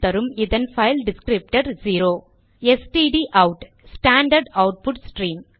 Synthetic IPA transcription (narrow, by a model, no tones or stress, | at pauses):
t̪ɐɾɯmɪðɐnfɐɪlɖɪskɾɪp̚ʈɐɾziːɾoː | ɛsʈiɖiʔɐʊʈ | sʈaːɳɖɐɾɖɐʊʈ̚pʊʈsʈɾiːm